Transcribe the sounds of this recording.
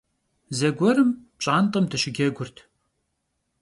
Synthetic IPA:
zɐɡʷɔɾɨmpɕʼaːnt̪ʼəmdʰɨɕɪɡʲɐɡʷʊrtʰ

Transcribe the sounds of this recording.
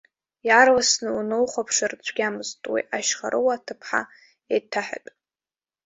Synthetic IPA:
jarwasnɨunɨwχʷapʰʂart͡ɕʷʰʼɡʲamɨztʼwḭʔaʃχaɾʔɨwaːtʰɨpʰħa̰ | etʰaħa̰tʼ

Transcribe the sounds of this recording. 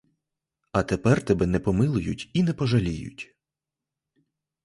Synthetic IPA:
ɐt̪epɛrt̪ɛbɛnɛpɔmɪlˠʊjʊtʲinɛpɔʒɐlʲijʊ̰tʲ

